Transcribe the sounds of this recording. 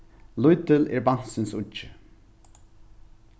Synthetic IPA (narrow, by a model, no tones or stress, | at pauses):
lʊjt̪ɪlɛɹban̥sɪnsʊɪ